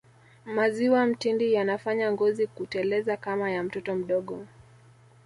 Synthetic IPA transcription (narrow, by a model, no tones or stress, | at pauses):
maziwam̩tindijanafaɲaŋɡɔzikutɛlɛzakamajam̩tɔtɔm̩ɗɔɠɔ